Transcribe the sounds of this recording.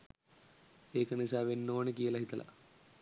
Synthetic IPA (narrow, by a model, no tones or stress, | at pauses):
eːkɐnesaːʋenːoːnekijɐlɐɦit̪ɐlʔɐ̰